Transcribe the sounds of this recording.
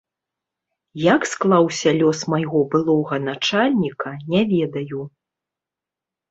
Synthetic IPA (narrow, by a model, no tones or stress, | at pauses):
jɐksklˠawsʲɐlʲɔsmajɣɔbɨlˠɔɣɐnat͡ʂalʲnʲikʰɐnʲɛvʲɛd̪ɐju